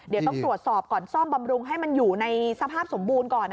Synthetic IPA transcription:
di˨˦t̪ɔ˥ŋt̪ɾu˨˩ət̪̚sɔː˨˩p̚kɔː˨˩nsɔː˥˩mba˧mɾu˧ŋɦa˥˩jma˧njuː˨˩na˧jsa˧pʰaː˥˩p̚so˩˦mbuː˧nkɔː˨˩n

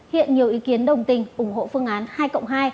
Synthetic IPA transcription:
hḭ˧˨ənɲi˨˩əwʔi˨˦ki˨˦ənɗə˨˩wŋ͡mt̪ï˨˩ŋ̟ʔʊ˧˩ŋ͡mho̰˧˨fɨ˧əŋʔaː˨˦nhaː˧jkə̰˧˨wŋ͡mɦaː˧j

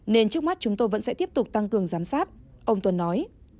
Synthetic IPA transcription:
ne˧nt͡ɕɨ˦˥ək̚ma˦˥t̚t͡ɕʊ˨˦ŋ͡mt̪o˧jvə̰˧˥nsɛ̰˧˥t̪i˦˥əp̚t̪ʊ˨˩k͡p̚t̪a˧ŋkɨ˨˩əŋzaː˨˦msaː˦˥t̚ | ʔə˧wŋ͡mt̪wə˨˩nːɔ˨˦j

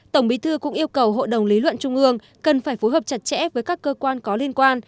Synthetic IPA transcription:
t̪ə˧˩wŋ͡mɓi˨˦t̪ʰɨ˧kʊ̰˧˥ŋ͡mʔi˧əwkə˨˩wɦo̰˧˨jɗə˨˩wŋ͡mli˨˦lwə̰˧˨nt͡ɕʊ˧ŋ͡mʔɨ˧əŋ | kə˨˩nfaː˧˩jfo˨˦jɦəː˨˩p̚t͡ɕa˨˧˩t̚t͡ɕɛ̰˧˥vəː˨˦jkaː˦˥kːəː˧kwaː˧nkɔ˨˦li˧ənkwaː˧n

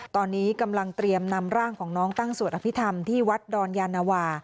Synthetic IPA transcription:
t̪ɔː˧nːiː˦˥ka˧mla˧ŋt̪ɾi˧əmna˧mɾaː˥˩ŋkʰɔː˩˦ŋnɔː˦˥ŋt̪a˥˩ŋsu˨˩ət̪ʔa˧pʰi˦˥t̪ʰa˧mt̪ʰiː˥˩wa˦˥t̪̚dɔː˧njaː˧nːaː˧waː˧

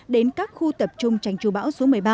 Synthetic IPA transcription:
ɗe˨˦nkaː˦˥k̚xu˧t̪ə˨˩p̚t͡ɕʊ˧ŋ͡mt͡ɕa˧˩jŋ̟t͡ɕu˨˧˩ɓa̰ː˧˥wso˨˦mɨ˨˩əjɓaː˧

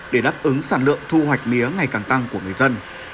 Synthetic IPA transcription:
ɗe˧˩ɗaː˦˥p̚ʔɨ˨˦ŋsaː˧˩nlɨ̰˧˨əŋt̪ʰu˧hwa˨˩jk̟̚mi˨˦əŋa˨˩jkaː˨˩ŋt̪a˧ŋku˧˩əŋ˨˩əjzə˧n

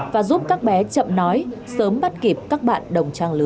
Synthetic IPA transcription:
vaː˨˩zu˦˥p̚kaː˦˥k̚ɓɛ˨˦t͡ɕə̰˧˨mnɔ˨˦jsəː˨˦mɓa˦˥t̚ki˨˩əp̚kaː˦˥k̚ɓa̰ː˧˨nɗə˨˩wŋ͡mt͡ɕaː˧ŋlɨ˨˦

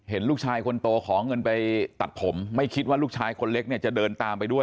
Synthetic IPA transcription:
he˩˦nluː˥˩t͡ɕʰaː˧jkʰo˧nt̪oː˧kʰɔː˩˦ŋɤ˧npa˧jt̪a˨˩t̪̚pʰo˩˦mːa˥˩jkʰi˦˥t̪̚waː˥˩luː˥˩k̚t͡ɕʰaː˧jkʰo˧nle˦˥k̚ni˥˩ɐt͡ɕa˨˩dɤː˧nt̪aː˧mpa˧jdu˥˩əj

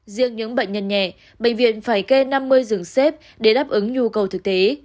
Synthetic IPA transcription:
zi˧əŋɲɨ̰˧˥ŋɓə̰˧˨ŋ̟ɲə˧nɲɛ˧˩˨ | ɓḛ˧˨ŋ̟vḭ˧˨ənfaː˧˩jke˧na˧mːɨ˧əjzɨ˨˩əŋse˦˥p̚ | ɗe˧˩ɗaː˦˥p̚ʔɨ˨˦ŋɲu˧kə˨˩wt̪ʰɨ˨˩k̚t̪e˨˦

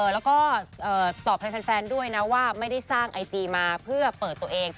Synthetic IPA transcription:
ʔlɛː˦˥wkɔː˥˩ʔɤː˨˩t̪ɔː˨˩p̚ʰa˦˥jpʰɛː˧nfɛː˧ndu˥˩əjna˦˥waː˥˩ma˥˩jda˥˩jsaː˥˩ŋʔa˧jt͡ɕiː˧maː˧pʰɯ˥˩ɐpɤː˨˩t̪ːu˧ɐʔeː˧ŋ

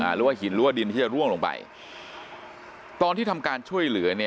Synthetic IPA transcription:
a̰ː˩˦ɾɯː˩˦waː˥˩ɦi˨˩˦nɾɯː˦waː˥˩di˧nt̪ʰiː˥˩t͡ɕa˨˩ɾu˥˩əŋloː˧˩ŋpa̰˨˩j | t̪ɔː˧nt̪ʰiː˥˩t̪ʰa˧mkaː˧nt͡ɕʰu˥˩əjlɯ˩˦ɐni˦˥

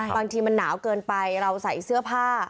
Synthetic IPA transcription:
baː˧ŋt̪ʰiː˧ma˧nːaː˩˦wkɤː˧npa˧jɾa˧wsa˨˩˦jsɯ˥˩ɐpʰaː˥˩

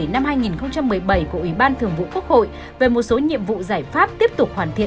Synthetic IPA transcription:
na˧mhaː˧jŋi˨˩nxə˧wŋ͡mt͡ɕa˧mːɨ˨˩əjɓə˧˩jku˧˩əʔwi˧˩ɓaː˧nt̪ʰɨ˨˩əŋvṵ˧˨ku˦˥ək̚ho̰˧˨j | ve˨˩mo˨˩t̚so˨˦ɲḭ˧˨əmvṵ˧˨zaː˧˩jfaː˦˥p̚t̪i˦˥əp̚t̪ʊ˨˩k͡p̚hwaː˧˩nt̪ʰḭ˧˨

